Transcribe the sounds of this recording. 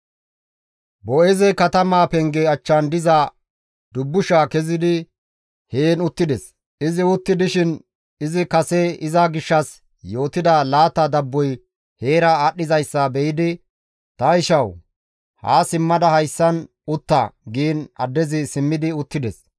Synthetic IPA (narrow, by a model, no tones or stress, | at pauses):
bɔɛzɛkɐt̪ɐmaːpɛŋɡeɐt͡ʃːɐnd̪ɪza | d̪ʊbːʊʃaːkɛzɪd̪ɪ | heːnʊt̪ːɪd̪ɛs | ɪzɪʊt̪ːɪd̪ɪʃɪn | ɪzɪkɐsɛɪzɐɡɪʃːɐs | jo̞ːt̪ɪd̪ɐlaːt̪ɐd̪ɐbːɔj | he̞ːɾɐaːɗːɪzɐjsːɐbɛjɪd̪ɪ | t̪ɐɪʃɐw | ha̰ːsɪmːɐd̪ɐhɐjsːɐn | ʊt̪ːɐ̰ɡiːnɐ̰d̪ːɛzɪsɪmːɪd̪ɪʊt̪ːɪd̪ɛs